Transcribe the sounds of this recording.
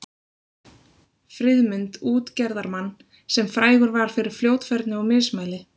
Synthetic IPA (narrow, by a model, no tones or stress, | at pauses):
fɾɪðmʏnt̪uːt̪cɛɾðaɾmanː | sɛmfɾaːjɣʏɾvaɾ̥fɪɾɪɾ̥fljoːwt̪fɛɾt̪nʏawmɪsmaːjlɪ